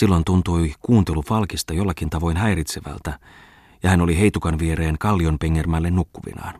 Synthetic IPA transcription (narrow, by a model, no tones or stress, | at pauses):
silːo̞nt̪unt̪ujkuːnt̪e̞lufɑlkist̪ɑjo̞lːɑkint̪ɑʋo̞jnɦæjɾit̪seʋæ̰lt̪æ | jɑhæno̞liɦe̞jt̪ukɑnʋieɾe̞ːŋkɑlːio̞mpe̞ŋːermælːe̞nːukːuʋḭnɑ̰ːn